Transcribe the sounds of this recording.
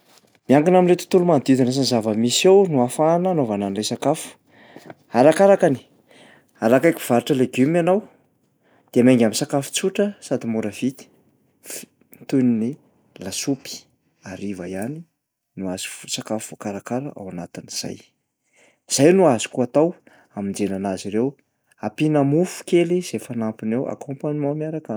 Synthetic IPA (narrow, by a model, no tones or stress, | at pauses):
miaŋɡinamilet̪u̥t̪ulumand̪id̪inas̬anzavəmisawnuafananovananlesakafu̥ | aɾakaɾakani̥ | aɾakajki̥v̥aɾiʈ͡ʂəleɡumanaw | d̪̥eameŋɡʲaminsakafu̥t͡suʈ͡ʂəsad̪imuɾəv̥it̪i̥ | t̪unini | lasupi̥ | aɾivajani | nuaz̥i̥fsakafuvokaɾakaɾəʔa̰wanat̪iniz̥a̰j | z̥ajnuazi̥kuat̪aw | amind͡zenanaziɾew | apinamufu̥keliz̥efanampinewʔa̰kʰompaɲimawmiaɾaka